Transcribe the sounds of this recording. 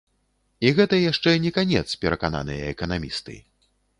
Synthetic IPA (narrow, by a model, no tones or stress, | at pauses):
iɣɛt̪ɐjaʂt͡ʂɛnʲɛkanʲɛt̪spʲɛɾɐkana̰nɨjɐɛkɐnamʲist̪ɨ̰